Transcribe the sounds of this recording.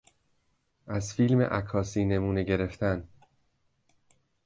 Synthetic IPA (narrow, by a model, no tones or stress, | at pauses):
ʔæzfiːlmḛʔækʰːɒːsiːne̞muːne̞ɟe̞ɾe̞ft̪ʰæn